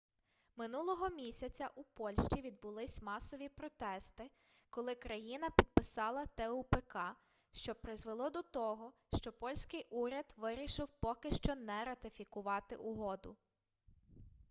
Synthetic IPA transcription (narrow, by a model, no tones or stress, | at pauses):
mɪnulˠɔɦɔmʲisʲɐt͡sʲɐʔupɔlʲʃt͡ʃiʋʲid̪̚bʊlˠɪsʲmɑsɔʋʲipɾɔt̪ɛst̪ɪ | kɔlˠɪkɾɐjinɐpʲid̪̚pɪsɑlˠɐt̪ɛupekɑ | ʃt͡ʃɔpɾɪzʋelˠɔd̪ɔt̪ɔɦɔʃt͡ʃɔpɔlʲsʲkɪjʔuɾʲɐd̪ʋɪɾʲiʃɪwpɔkɪʃt͡ʃɔnɛɾɐt̪ɪfʲikʊʋɑt̪ɪ̰ʔʊɦɔd̪ʊ̰